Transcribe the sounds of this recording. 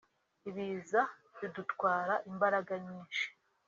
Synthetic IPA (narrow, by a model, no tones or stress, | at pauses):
iβiza | βidutwaːɾaʔimbaɾaɡaɲiːnʃi̥